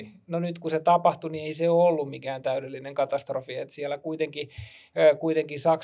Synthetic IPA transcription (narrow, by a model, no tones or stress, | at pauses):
i | nonyt̪kuset̪ɑpɑht̪unieiseolːummikæːnt̪æydelːineŋkɑt̪ɑst̪rofiet̪siælːækuit̪eŋkiː | kuit̪eŋkisɑk